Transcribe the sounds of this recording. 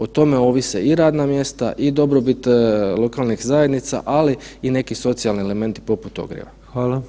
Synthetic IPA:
ot̪o̞me̞o̞ʋiseiɾaːd̪namje̞st̪a̰ʔid̪o̞bɾo̞bit̪lˠo̞kaːlˠnixzaje̞d̪nit̪sa̰ʔaliine̞kiso̞t̪sialniele̞me̞nt̪i̥po̞put̪o̞̰ɡɾjḛʋaxʋaːlˠa

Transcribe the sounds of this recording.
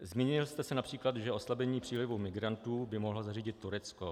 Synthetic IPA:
zmiːɲɪlst̪ɛsɛnapr̥iːklad̪ʒɛʔo̞slabɛɲiːpr̝̥iːlɪvumɪɡɾant̪uːbɪmoɦlozariːɟɪt̪ːuɾɛt͡sko

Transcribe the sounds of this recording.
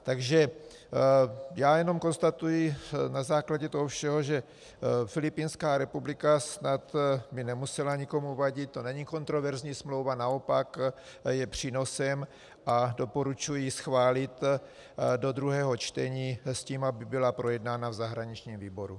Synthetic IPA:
t̪aɡʒɛ | jaːjɛno̞mko̞nst̪at̪ujɪnazaːklaɟɛt̪oɦofʃɛɦo̞ʒɛ | fɪlɪpiːnskaːɾɛpublɪkasnat̪bɪnɛmusɛlaɲiko̞muvaɟɪt̪̚t̪o̞nɛɲiko̞nt̪ɾo̞vɛɾzɲiːsmlo̞wvanao̞pak | jɛpr̝̥iːno̞sɛm | ʔado̞po̞ɾut͡ʃujisxvaːlɪt̪ | do̞d̪ɾuɦɛːɦo̞t͡ʃt̪ɛɲiːsciːmabɪbɪlapɾo̞jɛdnaːnavzaɦɾaɲit͡ʃɲiːmviːbo̞ɾṵ

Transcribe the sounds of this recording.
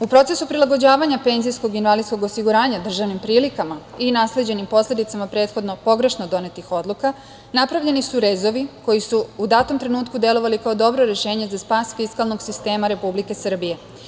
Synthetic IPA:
upɾo̞t̪se̞supɾilaɡo̞d͡ʑaːʋaɲape̞nzijsko̞ɡinʋalid̪sko̞ɡosiɡuɾaːɲad̪r̩ʒaʋnimpɾiːlikama | inasle̞d͡ʑe̞nimpo̞sle̞d̪it̪samapɾeːt̪xo̞d̪no̞po̞ɡɾe̞ʃnod̪o̞ne̞t̪ixo̞d̪lˠuka | napɾaʋʎe̞nisuɾe̞zo̞ʋiko̞jisuud̪aːt̪o̞mt̪ɾe̞nuːt̪̚kud̪e̞lo̞ʋalikao̞d̪o̞bɾoɾe̞ʃe̞ːɲe̞zaspaːsfiskalˠno̞ɡsist̪e̞ːmaɾe̞publike̞sr̩bije̞

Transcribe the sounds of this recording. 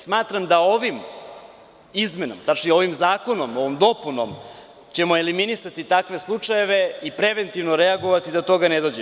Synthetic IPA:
smaːt̪ɾamd̪ao̞ʋim | izme̞no̰mt̪at͡ʃnio̞ʋimzaːko̞nomo̞ʋomd̪o̞puno̰m | t͡ɕe̞mo̞e̞liminisat̪it̪akʋe̞slˠut͡ʂaje̞ʋe̞ipɾe̞ʋent̪iʋnoɾeaɡoʋat̪id̪ot̪o̞ɡaned̪o̞ːd͡ʑe

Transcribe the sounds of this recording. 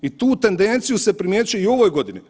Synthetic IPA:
it̪uːt̪e̞nd̪e̞nt̪sijuse̞pɾimʲjeːt͡ʃujeio̞ʋoːjɡo̞d̪ini

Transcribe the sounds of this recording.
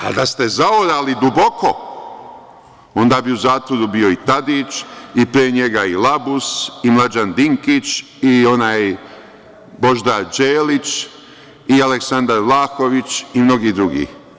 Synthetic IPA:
a̰d̪ast̪e̞zaoɾalid̪ubo̞ko̞ | o̞nd̪aːbiuzaːt̪ʋoɾubio̞it̪ad̪iːt͡ʃipɾieɲeɡailabusimlˠad͡ʒand̪iŋkit͡ʃ | io̞naːj | bo̞ʒd̪ad͡ʒeːlit͡ʃ | ialeksand̪aɾlaːxo̞ʋit͡ʃimno̞ɡiːd̪ɾuɡḭː

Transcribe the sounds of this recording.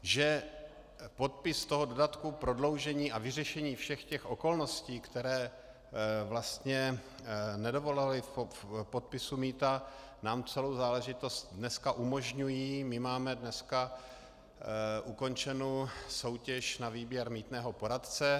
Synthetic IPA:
ʒɛ | po̞t̪̚pɪst̪o̞ɦodo̞dat̪kupɾo̞dlo̞wʒɛɲiːʔavɪrɛʃɛɲiːfʃɛxcɛxʔo̞ko̞lno̞sciːkt̪ɛɾɛː | vlast̪ɲɛ | nɛdo̞vo̞lalɪfpo̞t̪̚pɪsumiːt̪a | naːmt͡sɛlowzaːlɛʒɪt̪o̞st̪dnɛskaʔumo̞ʒɲujiːmɪmaːmɛdnɛska | ʔuko̞nt͡ʃɛnoːso̞wcɛʃnaviːbjɛɾmiːt̪nɛːɦo̞po̞ɾat̪t͡sɛ

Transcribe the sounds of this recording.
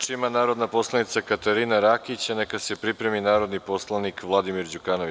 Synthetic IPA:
t͡ʃimanaːɾo̞d̪napo̞slˠanit̪sakat̪aɾinaɾakit͡ɕanekasepɾipɾe̞minaːɾo̞d̪nipo̞slˠanikʋlˠad̪imiɾd͡ʑukanoʋi

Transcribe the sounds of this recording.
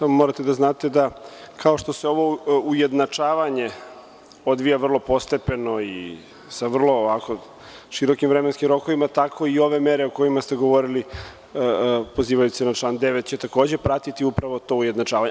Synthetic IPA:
samomoɾat̪ed̪aznaːt̪e̞d̪akʰao̞ʃt̪o̞seo̞ʋo̞uje̞d̪nat͡ʂaːʋaɲe̞ | o̞d̪ʋijaʋr̩lˠo̞po̞st̪e̞pe̞no̞ḭ | saʋr̩lˠo̞ʋako̞ | ʃiɾo̞kimvɾemenskimɾo̞ko̞ʋimat̪akʰo̞io̞ʋe̞meɾe̞oko̞imast̪e̞ɡo̞ʋo̞ɾili | po̞ziːʋajusenat͡ʃlˠand̪e̞ʋet̪t͡ɕet̪ako̞ːd͡ʑe̞pɾat̪it̪iupɾaʋo̞t̪o̞uje̞d̪nat͡ʂaːʋaɲe

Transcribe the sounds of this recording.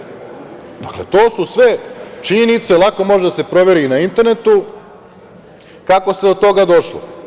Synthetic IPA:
d̪aklet̪o̞ːsusʋe̞t͡ʃiɲenit̪selˠako̞mo̞ʒed̪ase̞pɾo̞ʋe̞ɾinaint̪e̞ɾnet̪u | kako̞st̪ed̪o̞t̪o̞ɡad̪o̞ʃlo̰

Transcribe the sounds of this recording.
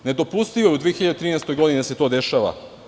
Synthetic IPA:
ne̞d̪o̞pust̪iʋoeud̪ʋiexiʎad̪et̪ɾiːnest̪o̞jɡo̞d̪inid̪ase̞t̪o̞ːd̪e̞ʃaːʋa̰

